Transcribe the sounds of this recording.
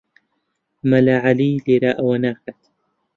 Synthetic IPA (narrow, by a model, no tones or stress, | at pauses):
mɐlaʕaliːleɾaːʔɐwɐnaːxat̪